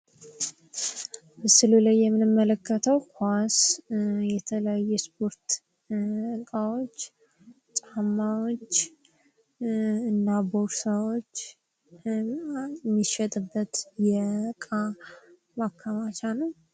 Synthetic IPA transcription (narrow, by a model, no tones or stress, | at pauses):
bəsɨlulajːɛmːɨnɨmːələkːət̪ʰəwkʰʷasjɛt̪ʰələjajɛspʰo̞ɾt̪ | ɨkʼawo̞t͡ʃː | t͡ʃ̪ʼamːawo̞t͡ʃː | ɨnːaboɾsawo̞t͡ʃː | mːiʃɛt̪ʼɨbːət̪jɛɨkʼa | makʰːamat͡ʃanəw